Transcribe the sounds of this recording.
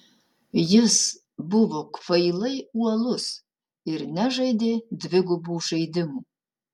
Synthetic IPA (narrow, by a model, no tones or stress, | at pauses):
jɪs | bʊvokʷʰʼfɐjlɐjuɐlʊs | irnæʒɐjdedvɪɡʷʊbuːʂejdɪmu